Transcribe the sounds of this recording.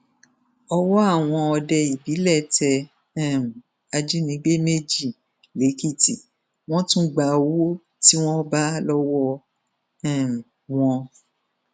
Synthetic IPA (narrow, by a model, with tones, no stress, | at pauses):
ɔ˧wɔ˦a˦˨w̃ɔ̃˧ɔ˧dɛ˧i˨bi˨˦lɛ˦˨tʰɛ˧ | ɛ̃˦˨m˨ | a˧d͡ʒi˦nĩ˨˦ɡ͡be˦me˦d͡ʒi˦˨ | le˨˦ki˦˨tḭ˨ | w̃ɔ̃˦tũ˦ɡ͡ba˧o˧wo˦ | ti˦w̃ɔ̃˦ba˦lɔ˦wɔ˦ | ɛ˦˨m˨ | w̃ɔ̃˧